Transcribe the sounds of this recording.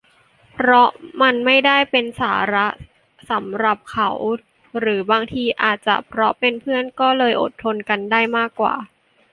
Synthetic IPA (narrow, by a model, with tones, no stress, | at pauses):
pʰɾɔ˦˥ma˧nma˥˩jdaː˥˩jpe˧nsaː˩˦ɾa˦˥ | sa˩˦mɾa˨˩p̚kʰa˨˩˦w | ɾɯː˩˦baː˧ŋt̪ʰiː˧ʔa̰ː˨˩t̪̚t͡ɕa̰˨˩pʰɾɔ˦˥pe˧npʰɯ˥˩ənkɔː˥˩lɤː˧jʔo̰˨˩t̪ʰːo˧nka˧ndaː˥˩jmaː˥˩kːwa̰ː˨˩